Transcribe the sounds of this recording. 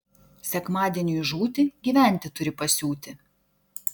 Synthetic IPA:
sʲɛkmɑːd̪ʲiɛnʲuːjʒuːt̪ʲɪɡʲiːʋʲæˑnʲt̪ʲɪt̪ʊɾʲɪpɐsʲuːt̪ʲɪ

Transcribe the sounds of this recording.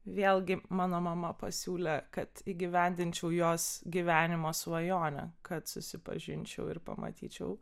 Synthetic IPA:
ʋʲeːlʲˠɡʲɪmɑːnoːmɐmɐpɐsʲuːlʲɛkɐt̪iːɡʲɪʋʲɛnʲd̪ʲɪnʲt͡ʃʲɛʊjoːsɡʲiʋʲæːnʲɪmoːsʋɐjoːnʲɛ̰kɐt̪sʊsʲɪpɐ̰ʒʲɪnʲt͡ʃʲɛ̰ʊɪɾpɐ̰mɐ̰t̪ʲḭːt͡ʃʲɛʊ

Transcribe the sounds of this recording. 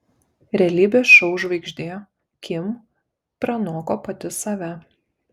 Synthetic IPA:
ɾʲɛlʲiːbʲeːsʃɐʊʒʋɐɪɡʒʲd̪ʲeːjo | kʲʰɪm | pɾɐnoːkoːpɐt̪ʲɪsɐʋʲɛ

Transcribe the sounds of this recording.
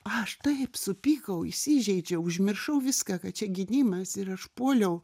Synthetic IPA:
ɐʃt̪ɐɪpsʊpʲiːkɐʊɪ̰sʲiʒʲɛɪd͡ʒʲɛʊʊʒʲmʲɪrʃɐʊʋʲɪskɑkɐtt͡ʃʲɛɡʲɪnʲiːmɐsɪɾɐʃpoːlʲɛʊ

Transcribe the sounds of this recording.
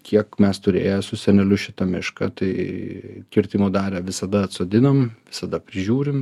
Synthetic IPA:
kʲʰiɛkmʲɛst̪ʊɾʲḛːjosʊsʲɛnʲɛlʲʊʃʲɪt̪ɐmʲɪʃkɐ̰t̪ɐɪkʲɪɾʲt̪ʲɪmoːd̪ɑːɾʲæːʋʲɪsɐd̪ɐɐt̪soːd̪ʲɪnomʋʲɪsɐd̪ɐpʲɾʲɪʒʲuːɾʲɪm

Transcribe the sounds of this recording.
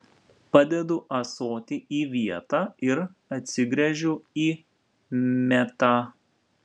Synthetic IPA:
pɐd̪ʲɛd̪ʊʔɐsoːt̪ʲɪʔiːʋʲiɛt̪ɑːɪɾɐt̪ʲsʲɪɡɾʲɛʒʲʊiː | mʲɛt̪ɑ

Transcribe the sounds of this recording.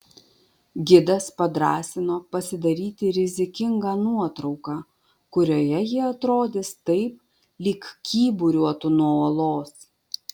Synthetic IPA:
ɡʲɪd̪ɐspɐd̪ɾɑːsʲɪnoːpɐsʲɪd̪ɐɾʲiːt̪ʲɪɾʲɪzʲɪkʲɪŋɡɑːnuɔt̪ɾɒʊkɑː | kʊɾʲoːjɛjɪɐt̪ɾoːd̪ʲɪst̪ɐɪp̚ | lʲɪkkʲiːbʊɾʲuɔt̪ʊnuɔɔlˠoːs

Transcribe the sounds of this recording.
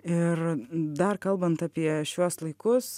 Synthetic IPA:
ɪrd̪ɐrkɐlˠbɐnt̪ɑːpʲiɛʃʲuɔslˠɐɪkʊs

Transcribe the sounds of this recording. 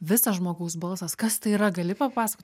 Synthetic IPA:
ʋʲɪsɐsʒmoːɡɐʊsbɐlˠsɐskɐst̪ɐɪiːɾɐɡɐlʲɪpɐpɑːsɐkoːt̪ʲ

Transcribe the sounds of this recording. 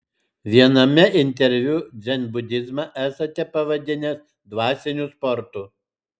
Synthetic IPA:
ʋʲiɛnɐmʲɛɪnʲt̪ʲɛɾʲʋʲʊd̪zʲɛnʲbʊd̪ʲɪzmɑʔæːsɐt̪ʲɛpɐʋɐd̪ʲɪnʲɛs | d̪ʋɑːsʲɛnʲʊspɔɾt̪ʊ

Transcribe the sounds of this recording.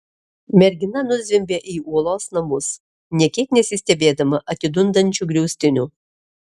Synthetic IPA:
mʲɛɾʲɡʲɪnɐnʊzʲʋʲɪmʲbʲeʔiːuɔlˠɔːsnɐmʊs | nʲɛkʲik̪ʲnʲɛsʲɪsʲt̪ʲɛbʲeːd̪ɐmɐʔɐt̪ʲɪd̪ʊnd̪ɐnʲt͡ʃʲuɡɾʲɛʊsʲt̪ʲɪnʲu

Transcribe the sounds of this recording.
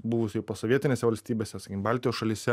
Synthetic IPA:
bʊʋʊsʲɪpoːsoːʋʲiɛt̪ʲɪnʲeɛsʲɛʋɐlʲsʲt̪ʲiːbʲesʲɛsɐkʲɪmbɑːlʲt̪ʲɪjosʃɐlʲiːsʲɛ

